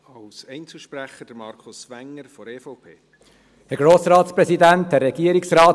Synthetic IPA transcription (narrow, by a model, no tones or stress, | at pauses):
ɑwsɛɪnt͡suʃpɾæχəd̥əɾmɑɾkʰʊsʋæŋːəɾfɔɾeːfɔʊpʰeː | dɛɡɾoːsɾɑːt̪spɾɛsidæntɛɾɛɡ̥iəɾiksɾɑːt